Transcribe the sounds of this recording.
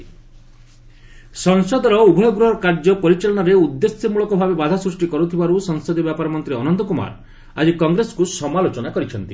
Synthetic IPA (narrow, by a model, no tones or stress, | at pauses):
sɔŋsɔd̪ɔɾɔubʱɔjɔɡɾuɦɔɾɔkaɾd͡ʒɔpɔɾit͡ʃalɔɽaɾeud̪ːesjɔmuɭɔkɔbʱabebad̪ʱasɾusʈikɔɾut̪ʰibaɾusɔŋsɔd̪ibjapaɾɔmɔnt̪ɾiɔnɔnd̪ɔkuma̰ɾ | ad͡ʒikɔŋɡɾesɔ̥kusɔmalot͡ʃɔnakɔɾit͡ʃʰɔnt̪i